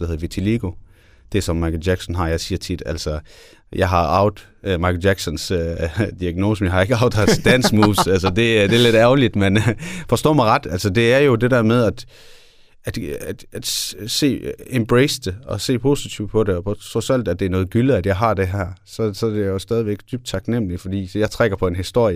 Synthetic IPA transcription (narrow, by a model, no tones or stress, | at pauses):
d̥eheðˠʋit͡sʰiliɡ̥o̝ | d̥e̝sɒ̽mːɑ̈ɪkʰl̩jæɡ̥sɒnɦɑ̈jɑ̈ɪsiːɐt͡sʰid̥æl̰sɒ | jɑ̈ɪɦɑ̈ɑ̈ʊð̥̩ˠ | mɑ̈ɪkʰl̩jæɡ̥sɔ̽nsød̥iæɡ̥no̝ːsmjɑ̈hɑ̈e̝ɡ̥əɑ̈ʊ̥hæt͡sed̥æn̰smuːsælsɒd̥e̝d̥e̝ɐle̝d̥æɐlid̥menfɒ̽sd̥ɔ̰ːmɑ̈ɪʁɑ̈d̥æl̰sɒd̥e̝æɐjo̝d̥e̝d̥æɐ̰með̞ˠæd̥ | æd̥æd̥æd̥se̝̰ːemb̥ʁeɪsd̥e̝ɒ̽se̝̰ːpʰo̝ːsit͡sʰiʊd̥̚pʰɒ̽ɾe̝ɒpʰɒt͡sʰɔsæl̰d̥æd̥e̝æɐnɔ̽ːð̞̩ˠɡ̥yləæd̥jɑ̈ɪɦɑ̈d̥e̝ɦæɐ̰sɒ̽sɒ̽dejjjo̝sd̥ɛðˠiʋeɡ̥̚d̥yb̥̚d̥̚t͡sʰɑ̈ɡ̥nem̰lifɒ̽d̥ḭːjɑ̈ɪt͡sʰʁaɡ̥ɐpʰɒ̽e̝nɦisd̥o̝ɐ̰jə